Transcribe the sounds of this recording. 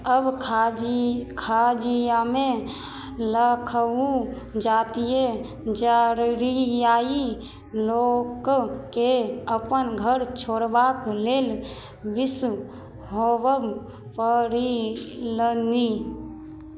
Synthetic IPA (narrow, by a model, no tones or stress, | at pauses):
əbʰ | kʰad͡ʒijame | ləkʰəũ | d͡ʒaːt̪ije | d͡ʒaɾɾijaːi | lokkeəpənɡʱəɾt͡ʃʰoːɽbakleːl | bɪs | ɦowəb | pəɾiləni